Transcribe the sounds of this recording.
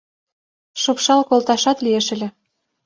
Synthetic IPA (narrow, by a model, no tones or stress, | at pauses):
ʃopʃɑlkolt̪ɑʃɑt̪lieʃɘ̆lʲĕ